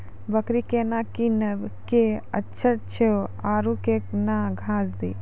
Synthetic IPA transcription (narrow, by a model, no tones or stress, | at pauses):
bəkɾikeːnakinɐbkeətːʃʰəɾt͡ʃʰeoaːɾukeknaɡʱãːsd̪ḭː